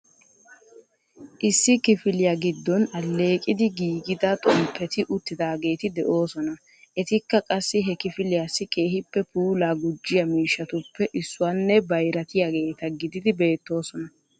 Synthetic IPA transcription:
ʔɪsːɪkɪfɪlɪjaɡɪd̪ːɔnɐlːe̞ːkʼɪd̪ɪɡiːɡɪd̪ɐt̪ʼɔmpʰːɛt̪ɪʔʊt̪ːɪd̪aːɡe̞ːt̪ɪd̪ɛʔo̞ːsɔnɐ | ʔɛt̪ɪkːɐkʼɐsːɪɦɛkɪfɪlɪjaːsːɪkʼe̞ːhɪpːɛpuːlaːɡʊd͡ʒːɪjɐmiːʃːɐt̪ʊpːɛʔɪsːʊwanːɛbɐjɾɐt̪ɪjaːɡe̞ːt̪ɐɡɪd̪ɪd̪ɪbe̞ːt̪ːo̞ːsɔnɐ

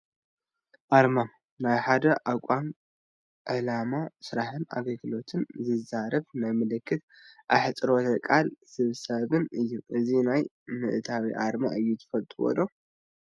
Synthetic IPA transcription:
ʔaɾma | najħad̪ɐʔakʷʼam | ʔɨlamasɨɾaħɨna̰ɡɐlɡɨlo̞t̪ʰɨnzɨzaɾɐβnajmɨlɨkʰːɨt̪̚ | ʔa̰ħɨt͡sʼɾo̞t̪ʰɐkʼalsɨβsɐβɨnɨjːuʔɨzinaj | mɨʔt̪ʰawiʔaɾma̰ɨjːut̪ʰɨ̥fɐlt̪ʼuwo̰lo

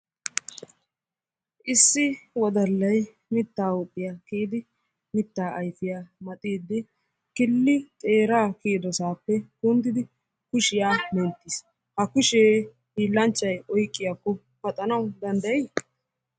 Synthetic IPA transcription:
ʔɪsːɪwɔd̪ɐlːɐj | mɪt̪ːaːʊpʼːɪjaːkiːd̪ɪ | mɪt̪ːaːʔɐjfɪjaːmɐt̪ʼiːd̪ːɪ | kɪlːɪt̪ʼeːɾaːkiːd̪ɔsaːpːɛkʊnd̪ɪd̪ɪ | kʊʃɪjaːmɛnt̪ːis | hɐkʊʃeː | hiːlːɐnt͡ʃʼːɐjɔjkʼːɪjakːɔ | pɐt̪ʼɐnɐwʊd̪ɐnd̪ɐjɛj

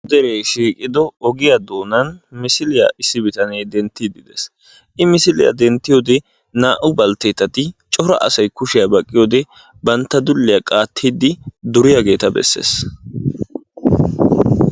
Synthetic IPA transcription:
d̪ɛɾejʃiːkʼɪd̪ɔɔɡɪjɐd̪o̞ːnɐnmɪsɪlɪjɐ̰ʔɪsːɪbɪt̪ɐnejd̪ɛnt̪ːid̪ɪd̪ɛs | ʔɪmɪsɪlɪ̰jɐ̰d̪ɛnt̪ːɪjoːd̪ɛ | naːʔʊbɐlt̪eːt̪ːɐt̪ɪt͡ʃʼɔɾɐ̰ʔɐ̰sɐjkʊʃɪjɐbɐkʼːɪjoːd̪ɛ | bɐnt̪ːɐd̪ʊlːɪjɐkʼaːt̪ʰːiːd̪ɪd̪ʊɾɪjɐɡe̞ːt̪ɐbɛ̰sːḛːs

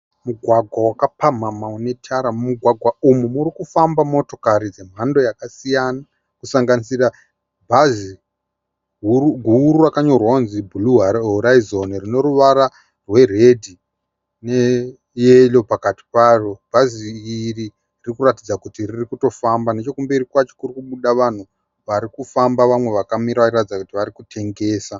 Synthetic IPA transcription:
muɡʱwaɡʱwawakapam̤amaone̞tʰaɾamuɡʱwaɡʱwaumumuɾikufambamo̞to̞kaɾid͡ze̞m̤ando̞jakasijana | kusaŋɡanisira | bʱazi | ɡʱuruɡʱuːɾurakaɲo̞rwaunzibʱuluɦoɾaizo̞nrino̞ɾuʋaɾa | rwe̞re̞dʱi | ne̞ | jelo̞pakati̥parob̥ʱaziːri | ririkuratid͡zakutiririkuto̞fambane̞t͡ʃo̞kumberikwat͡ʃokurikuɓuɗaʋan̤u | ʋaɾikufambaʋamwe̞ʋakamiɾaʋat͡ʃiratid͡zakutiʋaɾikutʰe̞ŋɡe̞ːsa

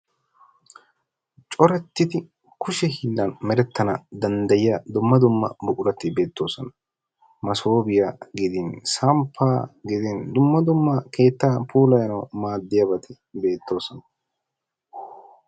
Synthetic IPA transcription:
t͡ʃʼɔɾɛt̪ːɪt̪ɪ | kʊʃɛhiːlːɐnmɛɾɛt̪ʰːɐnɐd̪ɐnd̪ɐjɪjɐd̪ʊmːɐd̪ʊmːɐ̰bʊkʊɾɐt̪ːɪbe̞ːt̪ːo̞ːsɔnɐ̥ | mɐsoːbɪjaːɡɪd̪ɪnsaːmpʰːaːɡɪd̪ɪnd̪ʊmːɐd̪ʊmːɐke̞ːt̪ːaːpʰuːlɐjɐnɐwmaːd̪ːɪjɐbɐt̪ʰɪ | be̞ːt̪ʰːo̞ːsɔnɐ

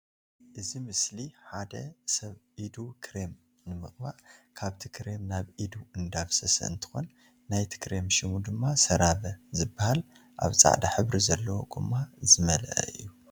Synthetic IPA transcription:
ʔɨzimɨsliħad̪ɐsɐβʔid̪ukʰɾe̞m | nɨmɨχʼbaʕkʰaβt̪ʰikʰɾe̞mnaβʔid̪uɨnd̪aβsɐsɐ̰ɨ̰nt̪ʰɨ̥xo̞̰nː | ajt̪ʰi̥kʰɾe̞mʃimud̪ɨmːasɐɾaβɐzɨbːahal | ʔa̰βt͡sʼa̰ʕd̪aħɨβɾizɐlːɐwoɡʼɨmːazɨmɐlɐ̰ʔɐ̰ɨ̰jːu

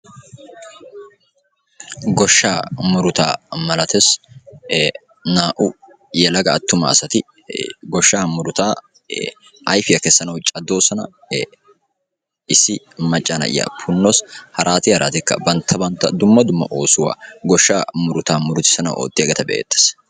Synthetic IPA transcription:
ɡɔʃːaːmʊɾʊt̪aːmɐlɐt̪ɛs | naːʔʊ | jɛlɐɡɐːt̪ːʊmɐ̰ːsɐt̪ɪ | ɡɔʃːaːmʊɾʊt̪aː | ʔɐjfɪjɐkɛsːɐnɐwt͡ʃʼɐd̪ːo̞ːsɐnɐ | ɪsɪ | mɐt͡ʃʼːanɐ̰ʔɪ̰jɐ̰pʰʊnːoːshɐɾʔaːt̪ɪhɐɾʔa̰ːt̪ɪkːɐ̰bɐnt̪ʰːɐbɐnt̪ːɐd̪ʊmːɐd̪ʊmːɐ̰ʔo̞ːsʊwa̰ːɡɔʃːa̰ːmʊɾʊt̪aːmʊɾʊt̪ɪ̥sɐnɐ̰wʔo̰ːt̪ʼːɪjɐɡɛt̪ɐbḛːt̪ːe̥s

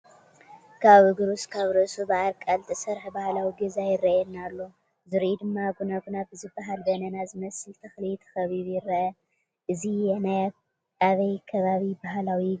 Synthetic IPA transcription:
kʰaβɨɡɾuskʰaβɾɐsubaʕalkʼalt̪ʰʼisɐɾħbahlawiɡizajɪrːɐʔɛnːalːo̞ | zɨɾʔid̪ɨmːaɡunaɡunabɨzɨbːaɦalbɐnɐnazɨmɐsɨlt̪ʰɐxlijt̪ʰɐ̥xɐβiβjɪrːɐʔɐ | ʔɨzijɛnaja | aβɐjkʰɐβaβibaɦlawi

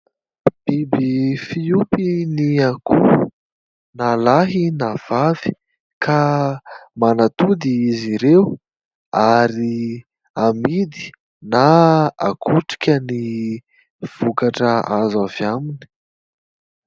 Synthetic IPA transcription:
b̥ibifiupiniakʰu | nalaɦinav̥avi̥ | kʰa | manat̪ud̪iiziɾew | aɾi | amid̪i̥ | naa̰kʰuʈ͡ʂi̥kʲəni | v̥ukaʈ͡ʂəazavjamini̥

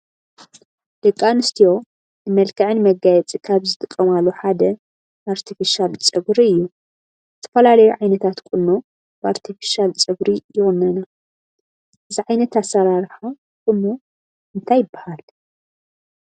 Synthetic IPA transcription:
d̪̥ɐkʼːanɨst̪ʰijo̞ | nɨmɐlkʰɐʕɨnmɐɡajɛt͡sʼikʰaβzɨt̪ʼɨkʼːɐmalːoħad̪ɐ | baɾt̪ʰifiʃalt͡sʼɨɡɾiɨjːu | zɨt̪ʰɐfɐlalɐjuʕajnɐt̪ʰat̪kʼʊnːo | baɾt̪ʰifi̥ʃalt͡sʼɨbɾijɪɣɨnːɐna | ʔɨziʕajnɐt̪asːɐɾaɾħa | kʼɨnːo | ʔɨnt̪ʰajːɪbːahal

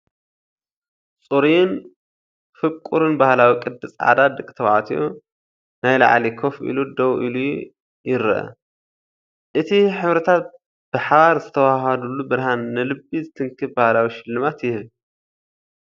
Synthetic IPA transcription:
t͡sʼuɾijn | fɨβkʼːuɾɨnbahlawikʼɨd̪ːɨsʼʕa̰d̪ad̪ɨkʼt̪ʰɐwʕa̰t̪ʰijo | najla̰ʕlikʰofʔḭlud̪ɐwʔiluj | jɪɾɐʔɐ̰ | ʔɨt̪ʰiħɨβɾɐt̪ʰat̪̚ | b̥ɨħaβaɾzɨt̪ʰɐwaɦɐd̪ulːubɨɾhanːɨlɨbizɨt̪ʰɨŋkʰɨbbahlawiʃɪlːɨmat̪jɪh

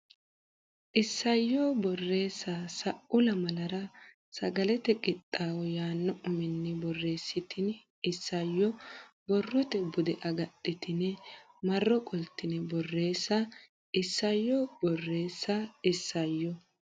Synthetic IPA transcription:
ʔɪsːɐjːɔbɔrːe̞ːsːasɐʔʊlɐmɐlɐɾɐ | sɐɡɐlɛt̪ɛkʼɪt̪ʼːaːwɔjaːnːɔʔʊmɪnːɪbɔrːe̞ːsːɪt̪ɪn | ɪsːɐjːɔ | bɔrːɔt̪ɛbʊd̪ɛʔɐɡɐtʼːɪt̪ɪnɛ | mɐrːɔkʼɔlt̪ːɪnɛbɔrːe̞ːsːɐ | ʔɪsːɐjːɔbɔrːe̞ːsːɐɪsːɐjːɔ

